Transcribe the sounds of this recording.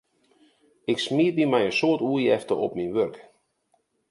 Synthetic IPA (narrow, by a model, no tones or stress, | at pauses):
ɪksmiətʋimɛjənsoətuəjɛftəʔɔpminʋørk